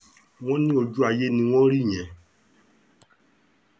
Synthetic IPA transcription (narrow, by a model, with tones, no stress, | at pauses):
w̃ɔ̃˦nĩ˦o˧d͡ʒu˦a˧je˦nĩ˧w̃ɔ̃˦ɾi˦˨j̃ɛ̃˨